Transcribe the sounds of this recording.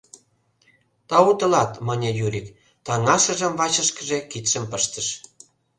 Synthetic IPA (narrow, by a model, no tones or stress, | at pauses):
t̪ɑut̪ə̆lɑt̪mənʲejuɾik | t̪ɑŋɑʃə̆ʒə̆mvɑt͡ɕə̆ʃkə̆ʒekit̪ʃə̆mpəʃt̪ə̆ʃ